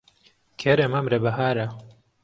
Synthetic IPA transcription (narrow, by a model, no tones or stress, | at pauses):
kʰeɾemɐmɾɐbɐɦaːɾɐ